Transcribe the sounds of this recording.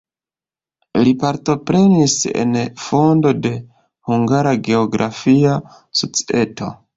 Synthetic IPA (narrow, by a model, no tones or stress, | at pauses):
lipaɾto̞pɾe̞nise̞̰nfo̞ndo̞de̞ | huŋɡaɾaɡe̞oɡɾʔafia | sot͡si̥e̞to̞̰